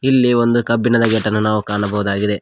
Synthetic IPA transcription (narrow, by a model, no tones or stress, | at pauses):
ilːiʋo̞nd̪ukɐbːinɐd̪ɐɡɛʈːɐnːunaːʋukaːɳɐbɐʋud̪aːɡid̪e̞